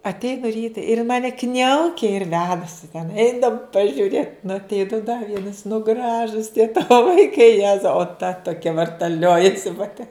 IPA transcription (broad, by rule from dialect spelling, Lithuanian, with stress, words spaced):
ɐtʲˈɛɪnʊ ˈrʲiːtɐ ɪr ɪn ˈmɑːnʲɛ ˈknʲɛʊkʲɛ ɪr ˈʋʲæːdɐsʲɪ tʲɛn ˈɛɪnɐm pɐʒʲʊˈrʲeːt nʊ ɐtʲˈɛɪnʊ dɐ ˈʋʲiɛnɐs nʊ ˈɡrɑːʒʊs tʲiɛ ˈtɑːʋoː ʋɐɪˈkɐɪ ˈjæːzɐʊ oː tɐ toːˈkʲɛ ʋɐrtɐˈlʲoːjɛsʲɪ pɐˈtʲɛ